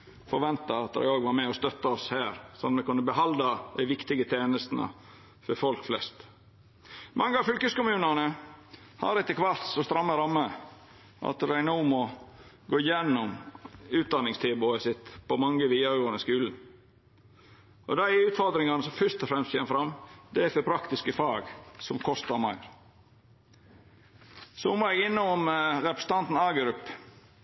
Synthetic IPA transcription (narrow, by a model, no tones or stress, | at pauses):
fɔɾʋɛnt̪ɑɑt̪d̪æ̰ɪoːɡʋɑɾmɛɔst̪œt̪ːɑɔshæːɾsɔmɛkʉnːəbəɦɑld̪ɑd̪æɪʋɪkt̪ɪɡət̪ʰjeːnəst̪nə̰ | fɔɾfɔlkflɛ̰st̪ | mʔɑŋːəɑʋfʏlkəskʊmʉːnənə | hɑ̰ɾɛt̪ːəkʰʋɑɾt̪sɔst̪ɾɑmːəɾɑmːə | ʔɑ̰t̪ɾæɪnuːmɔ | ɡoːɪjɛnːʊmʉːt̪̚d̪ɑnːɪŋst̪ʰeːbʊəsɪt̪pɔmɑŋːəʋiːɑɡoːnəskʉːln̩ | ʔɔ̰d̪æɪʉːt̪fɔɾd̪ɾɪŋɑnəsɔmfœʂt̪ɔfɾɛmst̪ʰçeːməfɾɑmːd̪ɛæfɔɾpʰɾɑkt̪ɪskəfɑːɡsɔmkʰɔst̪ɑmɑ̰ɪɾ | sɔmoːɛɡɪnːɔʊmɾɛpɾəsən̩t̪ɑnt̪n̩ɑɡɾʉpː